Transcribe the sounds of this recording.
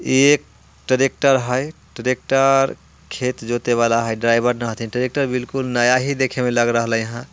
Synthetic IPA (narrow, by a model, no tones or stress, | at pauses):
iek̚ | ʈəɾek̚ʈəɾɦəjʈəɾek̚ʈəɾ | kʰet̪d͡ʒot̪eβalaɦəjɖɾaɪbəɾnəɦt̪ʰinʈəɾek̚ʈəɾbilkulnəjaɦid̪ekʰemeləɡɾəɦəlɛjəɦã